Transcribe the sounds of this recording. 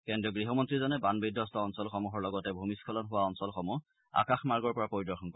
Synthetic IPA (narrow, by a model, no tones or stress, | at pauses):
kɛndijɔɡɹiɦɔmɔntɹizɔnɛbanbidɔstɔɔnsɔlxɔmuɦɔɹlɔɡɔtɛbʱumiskʰɔlɔnɦʊwaɔnsɔlxɔmu | a̰kaxmaɹɡɔɹpɔɹapɔɹidɔɹxɔnkɔ